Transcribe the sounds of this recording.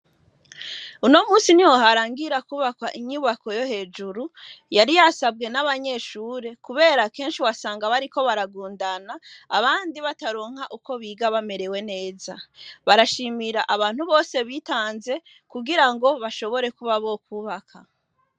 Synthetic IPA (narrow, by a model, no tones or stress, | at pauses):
uno̞muːsiniwoɦaɾaːŋɡiɾakuːβakwaʔiɲuːβako̞jo̞he̞ːd͡ʒuɾujaɾijasabɡe̞naβaɲe̞ʃuːɾe̞kuβe̞ːɾake̞ːnʃiwasaːŋɡaβaɾiko̞βaɾaɡuːndanaːβaːndiβataɾo̞ːŋ̥haʔuko̞βiːɡaβame̞ɾe̞we̞ne̞ːzaβaɾaʃimiɾaʔaβaːn̥huβo̞ːse̞βitaːnze̞ | kuɡiɾaŋɡo̞βaʃo̞βo̞ɾe̞kuβaβo̞k̚uːβakʰa